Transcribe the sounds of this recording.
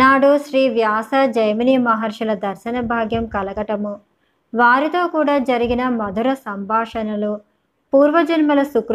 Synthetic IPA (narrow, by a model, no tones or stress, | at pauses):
naːɽuʃɾiːʋjaːsɐd͡ʒɐjmɐniːmɐɦɐɾʂɐlɐd̪ɐɾʃɐnɐbʱaːɡjɐmkɐlɐɡɐʈɐmu | ʋaːɾit̪o̞ːkuːɽaːd͡ʒɐɾiɡinɐmɐd̪ʱuɾɐsɐmbʱaːʂɐnɐlu | puːɾʋɐd͡ʒɐnmɐlɐsukɾ